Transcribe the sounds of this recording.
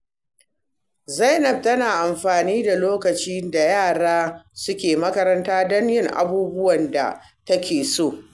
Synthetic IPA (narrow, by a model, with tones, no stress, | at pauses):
zɐ˦jnɐ˦˨b̚tɐ˦naː˨ʔa˨mɸaː˨niː˦da˨loː˦kɐ˨t͡ʃiː˦da˨jaː˦˨ɽaː˦sʊ˦kʲeː˨mɐ˦kɐ˦ɾɐ˦ntaː˦dɔ˦ɲjɪ˦ŋʔa̰˨buː˦bʊ˦wɐ˨nda̰˨ | tɐ˦kʲeː˨soː˦˨